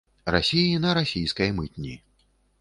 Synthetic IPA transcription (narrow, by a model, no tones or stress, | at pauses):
ra̰sʲijinɐɾasʲijskɐjmɨt̪ʲnʲi